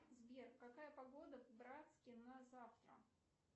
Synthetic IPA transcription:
zbʲerkɐkajəpɐɡo̞d̪əvbɾat̪skʲɪnɐzaft̪ɾə̰

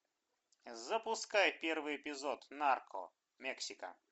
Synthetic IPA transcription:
zɐpʊskajpʲɛrvɨɛpʲɪzɔt̪narkʰɔ̰ | mʲɛksʲɪkə̰

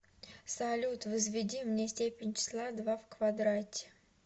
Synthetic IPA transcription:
salʲut̪vəzvʲɪdʲimnʲesʲtʲepʲɪnʲt͡ɕʰɪ̥slˠad̪vavkvad̪ɾatʲɪ̥

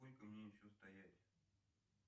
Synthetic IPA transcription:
olʲkəmnʲejɪɕːost̪ɐjætʲ

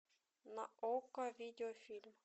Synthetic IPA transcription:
naokavʲid̪ʲeofʲilʲm

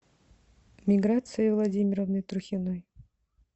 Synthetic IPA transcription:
mʲɪɡɾat̪sɨjəvlˠɐdʲimʲɪɾəvnɨjt̪ɾʊxʲɪnoj

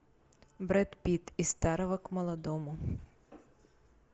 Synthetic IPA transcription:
bɾɛt̪pʲit̪ist̪ɑɾɔʋɐkmɔlˠɔd̪ɔmʊ

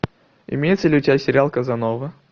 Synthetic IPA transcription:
ɪ̰mʲejɪt̪səlʲɪʊtʲɪbʲasʲɪɾʲalˠkəzɐnovɨ

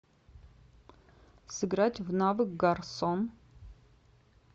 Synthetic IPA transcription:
sɨɡɾatʲʰvnavɨkɡarson

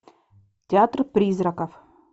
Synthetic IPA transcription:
tʲɪat̪rpɾʲizrɐkɐf

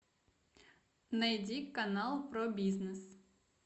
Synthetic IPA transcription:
nɐjdʲikːɐnalˠpɾobʲiznɨs

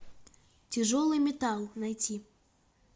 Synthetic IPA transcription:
t͡sʲɛʐɔlˠɨmʲɛt̪alˠnajt͡sʲi

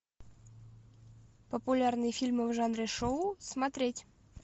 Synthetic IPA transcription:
pəpʊlʲarnɨjəfʲilʲmɨvʐanɾʲɪʂoʊsmɐt̪ɾʲetʲ

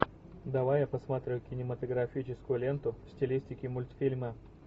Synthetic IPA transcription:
d̪ɐvajapɐsmat̪ɾʲɪʊkʲɪnʲɪmət̪əɡɾɐfʲit͡ɕɪskʊjʊlʲe̞nt̪ʊfsʲtʲɪlʲisʲtʲɪkʲɪmʊlʲt̪fʲilʲmə

